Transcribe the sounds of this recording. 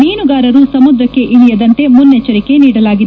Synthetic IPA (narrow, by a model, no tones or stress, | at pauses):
niːnuɡaːɾɐɾusɐmud̪ɾɐkːe̞ʔiɽijɐd̪ɐnt̪e̞munːet͡ʃːɐɾike̞niːɽɐlaːɡid̪